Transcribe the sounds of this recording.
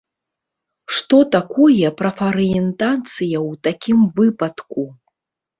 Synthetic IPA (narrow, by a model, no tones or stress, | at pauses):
ʂt̪ɔt̪akɔjɛpɾɐfɐɾɨɛnt̪at̪sɨjɐwt̪akʲimvɨpɐt̪ku